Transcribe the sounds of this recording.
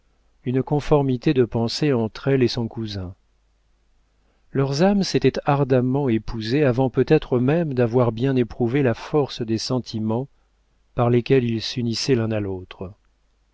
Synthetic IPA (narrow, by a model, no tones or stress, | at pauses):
ynkɔ̃fɔʁmit̪ed̪əpɑ̃seɑ̃t̪χɛlesɔ̃kuzɛ̃ | lœʁzamset̪ɛt̪aʁd̪amɑ̃epuzeavɑ̃pøt̪ɛt̪χəmɛmd̪avwaʁbjɛ̃nepχuvelafɔʁsd̪esɑ̃t̪ʰimɑ̃ | paʁlekʲɛlilsynisɛlɛ̃nalot̪χə